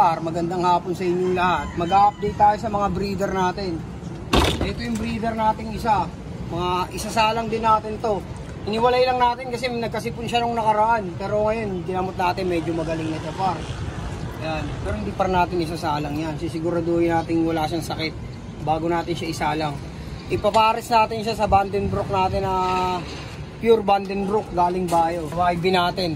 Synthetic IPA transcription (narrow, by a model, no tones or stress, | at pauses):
aɾmɐɡɐnd̪aŋhaːponsɐʔɪɲːolɐhat̪̚mɐɡaːʔɐp̚d̪ejt̪ːaːjo̞sɐmɐŋabɾiːd̪ɛɾnaːt̪ɪn | ʔɐʔɛt̪ojʊŋbɾiːd̪ɛɾnaːt̪ɪŋɪsa | mɐŋaʔɪsasaːlɐŋd̪ɪnːaːt̪ɪnt̪o̞ | ʔɪnɪwɐlajlɐŋnaːt̪ɪnkɐsɛnɐɡ̚kɐsipʊnʃɐnoŋnɐkɐɾɐʔanpɛːɾo̞ŋɐjonɡɪnɐmʊt̪̚naːt̪ɪnmɛːd͡ʒomɐɡɐlɪŋnɐt͡ʃɐpaɾ | ɐjanpɛːɾoɪnd̪iːpɐɾɪnaːt̪ɪnʔɪsasaːlɐŋjansɪsɪɡuɾɐd̪ojɪnaːt̪ɪŋwɐlaːʃɐŋsɐkɪt̪̚ | baːɡonaːt̪ɪnʃaʔɪsaːlaŋ | ʔɪpɐpaːɾɪsnaːt̪ɪnʃasɐband̪ɪnb̪ɾok̚naːt̪ɪnɐ | pjuɾband̪ɪnbɾok̚d̪aːlɪŋbaːjowajbɪnaːt̪ɪn